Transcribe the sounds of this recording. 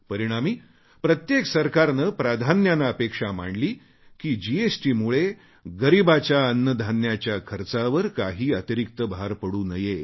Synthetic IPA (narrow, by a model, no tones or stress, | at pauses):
pəɾiɽ̃amiː | pɾət̪jeksəɾkaɾnəpɾad̪ʱanjanaəpekʂam̤a̰ɳliː | kiːd͡ʑiesʈiːmuɭe | ɡəɾibat͡ɕjaənːəd̪ʱanjat͡ɕjakʰəɾt͡saʋəɾkaɦiːət̪iɾikt̪əbɦaɾpəɽuːnəje